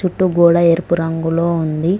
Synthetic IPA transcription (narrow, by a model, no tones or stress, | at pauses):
t͡ʃuʈːuɡuːɽɐeɾpuɾɐŋɡulo̞ːund̪i